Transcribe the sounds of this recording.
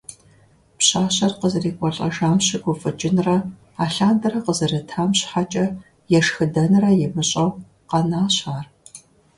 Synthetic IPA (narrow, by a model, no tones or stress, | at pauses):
pɕaːɕɐrqəzɨriːkʷʼɔɬʼɐ̰ʒaːmɕɪɡʷʊfʼɨt͡ʃʼɪnrɐ | aːɬaːndɐrɐqəzɐrɐtʰaːmɕħat͡ʃʼɐ | jɛʂxɨdɐnɨrɐjɛmɨɕʼɐw | qɐnaːɕaːr